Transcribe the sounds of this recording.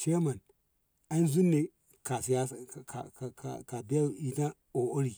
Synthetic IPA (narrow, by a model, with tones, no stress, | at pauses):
t͡ʃe˦ma˨n | a˦i˦zu˦nːe˨ | ka˨si˨ja˦˨ka̰˨a̰˨ka˨bi˦ja˦˨i˨ta˦ | o˨ʔo˦ɾi˨